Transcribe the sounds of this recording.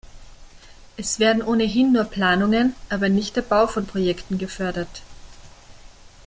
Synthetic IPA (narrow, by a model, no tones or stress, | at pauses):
ʔɛsv̥eːɐdn̩ʔoːnəɦɪnːuːɐpl̥aːnʊŋənʔaːbɐnɪçt̚d̥ɛːɐbaʊfɔnpʁ̥ojɛktn̩ɡəfœɐdɐt